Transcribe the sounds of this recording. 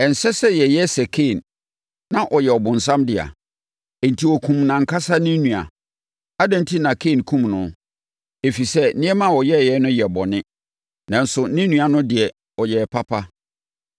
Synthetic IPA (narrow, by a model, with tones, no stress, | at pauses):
ɛ˨n̩˨sɛ˦sɛ˦jɛ˨jɛ˦sɛ˨kʰeː˦˨nː | ã˦ʔɔ˨jɛ˨ɔ˨bʊ̃˨n̩˨s̬ã˦mdɪ˨a̰˨ | ɛ˨n̩˨tʰi˨wɔ˨kʰũ˨mnã˨ŋ̩˨kʰa˦sa˦nĩ˦nũ˨a̰˨ | a˦dã˦n˦tʰi˦nã˨kʰe˦˨n˨kʰũ˦mnʊ̃˨ | e˨fi˨sɛ˦nɪ̃˦ɛ˦mã˦˨wɔ˨jɛ˦˨jɛ˦nʊ̃˦jɛ˨bɔ˨nɪ̃˦ | nã˨n̩˦sʊ˨nĩ˦nũ˨a˨nʊ̃˦dɪ˨ɛ˨ | ɔ˨jɛ˨pʰa˦pʰa˦